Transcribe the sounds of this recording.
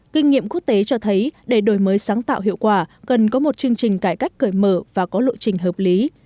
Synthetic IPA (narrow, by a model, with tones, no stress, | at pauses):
kï˧ŋ̟ŋḭ˧əmku˦˥ək̚t̪e˨˦t͡ɕɔ˧t̪ʰə˨˦jɗe˧˩ɗo˧˩jməː˨˦jsaː˨˦ŋt̪a̰ː˧˨wɦḭ˧˨əwkwaː˧˩kə˨˩nkɔ˨˦mo˨˩t̚t͡ɕɨ˧əŋt͡ɕï˨˩ŋ̟kaː˧˩jka˦˥jk̟̚kəː˧˩jməː˧˩vaː˨˩kɔ˨˦lṵ˧˨t͡ɕï˨˩ŋ̟ɦəː˨˩p̚li˨˦